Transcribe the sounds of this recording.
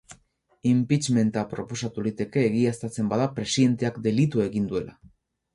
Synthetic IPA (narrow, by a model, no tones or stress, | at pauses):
impit͡ʃme̞nt̪apɾo̞po̞sat̪ulit̪e̞ke̞ːɣiast̪at͡se̞mbaðapɾe̞siðe̞nt̪e̞akd̪e̞lit̪ue̞ɣind̪ue̞la̰